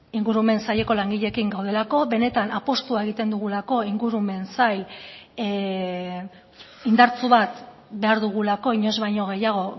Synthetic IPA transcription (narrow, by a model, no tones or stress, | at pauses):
iŋɡuɾume̞nsaʎe̞ko̞laŋɡiʎe̞kiŋɡawð̞e̞lako̞βe̞ne̞t̪anapo̞st̪uae̞ɣit̪e̞nd̪uɣ̞ulako̞iŋɡuɾume̞nsaj | ind̪aɾt͡suβat̪ | be̞aɾðuɣ̞ulako̞iɲo̞zβajɲo̞ɣ̞e̞jaɣ̞o̞